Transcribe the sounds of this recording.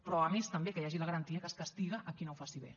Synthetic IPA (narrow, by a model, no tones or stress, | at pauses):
pɾɔəmest̪əmbekəjaʒiləɣəɾənt̪iəkəskɐst̪iɣəʔːkinowfasiβḛ